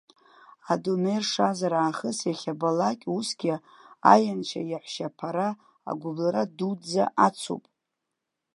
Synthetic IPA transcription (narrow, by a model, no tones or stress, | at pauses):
adomejrʂazaɾaːχəsjaχʲabalakʲʼusɡʲɪ | a̰jant͡ʃʰa̰jaħʷʃapʰaɾa | a̰ɡʷʊblaɾadud͡za̰ʔat͡sʰṵpʼ